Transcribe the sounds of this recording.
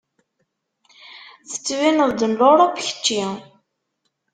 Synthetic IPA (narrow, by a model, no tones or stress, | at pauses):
θə̥t͡sːwinəðˤd̪ənloɾˤopçə̥t͡ʃːi